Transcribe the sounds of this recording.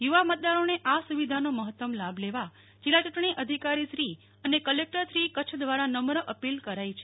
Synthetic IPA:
juʋamət̪̚d̪aɾoneʔasuʋid̪ʱanoməɦət̪ːəmlabʱleʋa | d͡ʒilːat͡ʃuʈɳ̃iʔəd̪ʱikaɾisɾi | ənekəlek̚ʈəɾsɾikət͡ʃʰd̪ʋaɾanəmɾəʔəpilkəɾait͡ʃʰe

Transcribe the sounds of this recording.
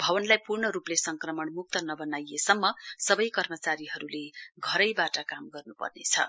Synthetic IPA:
bʱʌbʌnlajpurɳʌɾuplesʌŋkrʌmʌɳmuk̚t̪ʌnʌbʌnajesʌmːʌsʌbʌjkʌrmʌt͡saɾiɦʌɾuleɡʱʌɾʌjbaʈʌkamɡʌrnupʌ̰rnḛt͡sʰʌ̰

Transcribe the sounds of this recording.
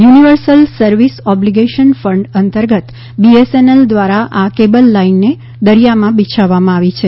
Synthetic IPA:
juniʋəɾsəlsəɾʋisɔbliɡeʃənfəɳɖənt̪əɾɡət̪ | bieseneld̪ʋaɾaʔakebəlːainːe | d̪əɾijamãbit͡ʃʰaʋːamãaʋit͡ʃʰe

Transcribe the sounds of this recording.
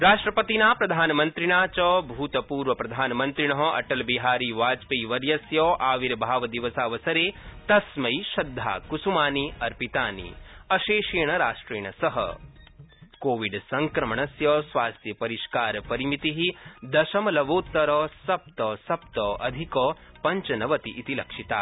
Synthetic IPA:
ɾaːʂʈɾɐpɐt̪inaːpɾɐd̪ʱaːnɐmɐnt̪ɾiɳaːt͡ʃɔːbʱuːt̪ɐpuːɾʋɐpɾɐd̪ʱaːnɐmɐnt̪ɾiɳ̃ɐɦɐʔɐ̰ʈɐlbiɦaːɾiːʋaːd͡ʒpiːʋɐɾjɐsjɔːʔaːʋiɾbʱaːʋɐd̪iʋɐsaːʋɐsɐɾeːt̪ɐsmɐjʃɐd̪ʱːa̰ːkusumaːniɐɾpit̪aːnḭɐʃeːʃeːɳɐɾaːʂʈɾeːɳɐsɐɦɐ̰ | koːʋiɖsɐŋkɾɐmɐɳɐsjɔːsʋaːst̪ʰjɐpɐɾiʃkaːɾɐpɐɾimit̪iɦid̪ɐʃɐmɐlɐʋoːt̪ːɐɾɔːsɐp̚t̪ɔsɐp̚t̪ɔːʔɐd̪ʱikɔːpɐɲt͡ʃɐnɐʋɐt̪iʔit̪ilɐkʂit̪a̰ː

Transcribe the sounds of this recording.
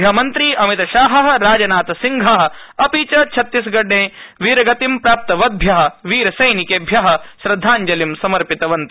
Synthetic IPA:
bʱjɐmɐnt̪ɾiːʔɐmit̪ɐʃaːɦɐɦɐɾaːd͡ʒɐnaːt̪ɐsiŋɡʱɐɦɐ̆ɐpiːt͡ʃɐt͡ʃʰɐt̪ːisɡɐɖːẽːʋiːɾɐɡɐt̪impɾaːp̚t̪ɐʋɐd̪̚bʱjɐɦɐ̆ʋiːɾɐsɐjnikebʱjɐɦɐ̆ʃɾɐd̪ʱːaːɲd͡ʒɐlimsɐmɐɾpit̪ɐʋɐnt̪ɐ

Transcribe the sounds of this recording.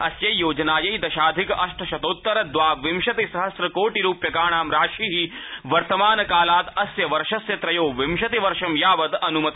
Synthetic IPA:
ɐsjɐjoːd͡ʒɐnaːjɐjd̪ɐʃaːd̪ʱikʔɐʃʈʰɐʃɐt̪oːt̪ːɐɾɐd̪ʋaːʋimʃɐt̪isɐɦɐsɾɐkoːʈiɾuːpjɐkaːɳaːmɾaːʃiːɦiʋɐɾt̪ɐmaːnɐkaːlaːt̪ɐsjɐʋɐɾʃɐsjɐt̪ɾɐjoːʋimʃɐt̪iʋɐɾʃɐmjaːʋɐt̪ɐnumɐt̪

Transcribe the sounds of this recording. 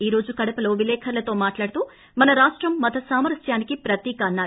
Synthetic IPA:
iːɾo̞ːd͡ʒukɐɽɐpɐlo̞ːʋilɛːkʰɐɾlɐt̪o̞ːmaːʈlaːɽut̪uː | mɐnɐɾaːʂʈɾɐmːɐt̪ʰɐsaːmɐɾɐsjaːnikipɾɐt̪iːkɐːnːaːɾ

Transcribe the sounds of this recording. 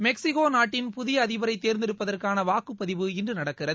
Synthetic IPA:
mɛksɪkoːnaːʈːɪnpʊðɪjɐːðɪʋɐɾɐɪt̪ːeːɾnd̪ɪɾɯpːɐðɐrkaːnɐʋaːkɯpːɐðɪʋɯɪndrɯnɐɽɐkːɪrɐð

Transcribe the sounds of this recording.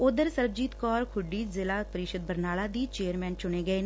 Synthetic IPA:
od̪əɾsəɾb̚d͡ʒiːt̪kɔːɾkʰʊɖiːzɪlaːpəɾɪʃəd̪bəɾnaːlaːd̪iːt͡ʃeːəɾmɛ̃ːnt͡ʃʊɽ̃eːɡəeːn

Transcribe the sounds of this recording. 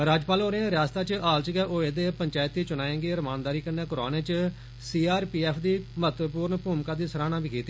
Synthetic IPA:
ɾaːd͡ʒpaːlɦoːɾẽːɾjaːst̪aːt͡ʃəʔaːlt͡ʃəɡɛːʔoːeːd̪eːpəɲt͡ʃaːjt̪ːiːt͡ʃʊnaːẽːɡeːɾəmaːnd̪aːɾiːkənːeːkoɾa̰ːnẽːt͡ʃ | siːaːɾpiːɛːpʰd̪iːmət̪puːɾɳpuːmkaːd̪iːsəɾaːñãːbiːkiːt̪iː

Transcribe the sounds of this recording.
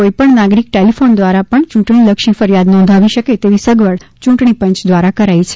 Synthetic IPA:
oipəɳnaɡɾik̚ʈelifond̪ʋaɾapəɳt͡ʃũʈɳiləkʃifəɾjad̪nɔ̃nd̪ʱaʋiʃəket̪eʋisəɡʋəɭt͡ʃũʈɳipə̃ɲt͡ʃd̪ʋaɾakəɾajt͡ʃʰe̥

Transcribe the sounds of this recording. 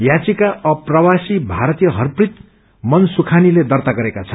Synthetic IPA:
jat͡sikaʌprʌwasibʱaɾʌt̪ijʌɦʌrprit̪ | mʌnsukʰaniled̪ʌrt̪aɡʌɾekat͡sʰʌn

